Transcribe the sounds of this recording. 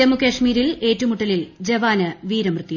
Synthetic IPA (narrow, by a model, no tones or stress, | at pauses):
ɐmukɐʂmiːɾile̞ːtːɐʋumuʈːɐlild͡ʑeʋaːnɨʋiːɾɐmrɨt̪ːij